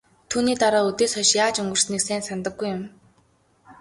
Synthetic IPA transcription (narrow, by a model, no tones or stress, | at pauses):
t̪ʰuːniːt̪aɾaːɵt̪eːsɔʃjaːt͡ɕɵŋɡɵ̆rsniksæːnsant̪ə̆ɡːujʊm